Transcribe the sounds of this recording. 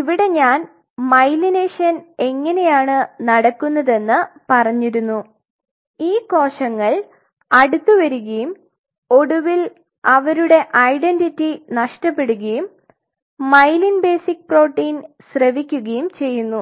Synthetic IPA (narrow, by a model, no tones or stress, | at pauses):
iʋiɽe̞ɲaːn | mɐjlineːʂɐne̞ŋːɐne̞jaːɳɨnɐɽɐkːunːɐðe̞nːɨpɐrɐɲːiɾunːu | iːko̞ːʂɐŋːɐɭ | ɐɽut̪ːuʋɐɾuɣɐjum | o̞ɽuʋil | ɐʋɐɾuɽe̞ʔɐjɖenditːinɐʂʈɐpːe̞ɽuɣɐjumː | ɐjlinbe̞ːsik̚pro̞ːʈːiːnsrɐʋikʲːuɣɐjumt͡ɕe̞jːunːu